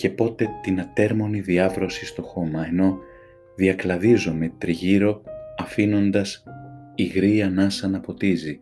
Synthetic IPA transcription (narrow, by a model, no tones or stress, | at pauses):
ce̞po̞t̪e̞t̪inɐt̪e̞ɾmo̞niðiɐvɾo̞sist̪o̞xo̞mɐeno̞ | ðiɐklɐðizome̞t̪ɾiʝiɾo̞ɐfino̞nd̪ɐsiɣɾiɐnɐsɐnɐpo̞t̪izi